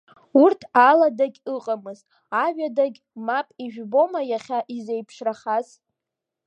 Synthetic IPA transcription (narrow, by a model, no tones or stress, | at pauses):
urtʰaladaɡʲɨqʼamɨz | aʒᶣadaɡʲ | mapʼiʒᶣbo̞majaχʲaʔizejpʰʂraχaz